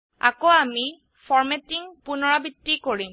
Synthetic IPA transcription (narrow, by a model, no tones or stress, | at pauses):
a̰koami | fʰɔɹmɛtiŋpunɔɹabitːikoɹim